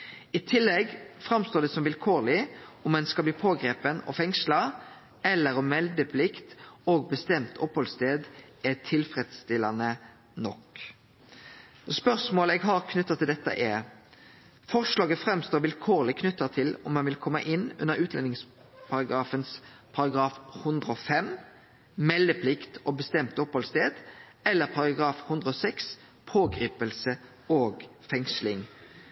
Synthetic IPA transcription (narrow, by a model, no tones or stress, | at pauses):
ɪt̪ʰɪlːɛɡfɾɑmst̪oːɖ̪ɛsɔmʋɪlkʰoːʁlɪɔmːɛnskɑbliːpʰoːɡɾeːpənɔ̰fɛŋslɑ | ɛlːəɾɔmːɛld̪əpʰlɪkt̪oːɡ̚bəst̪ɛmt̪ʰɔphɔlst̪eːd̪ʔɛt̪ʰɪlfɾed̪st̪ɪlːɑnə | nɔk | ɔspœʁʂmoːləɛːɡɦɑɾkʰnʉt̪ːɑt̪ʰɪld̪ɛt̪ːə̰ʔɛ | fɔʁʂlɑːɡəfʁɛmst̪oːʁʋɪlkʰoːʁlɪkʰnʉt̪ːɑt̪ʰɪlɔmːɑnʋɪlkʰɔmːəʔɪnːʉ̰nəʁʉːt̪ʰlɛnɪŋs | pʰɑɾɑɡʁɑːfənspʰɑɾɑɡɾɑːfhʉnd̪ʁəɔfɛm | mɛlːəpʰlɪkt̪ɔbəst̪ɛmt̪ɔphɔlst̪eːd̪̥ | ɛlːəʁpʰɑʁɑɡʁɑːfhʉnd̪ʁəɔsɛks | pʰoːɡɾiːpəlsə | oːɡfɛŋslɪŋ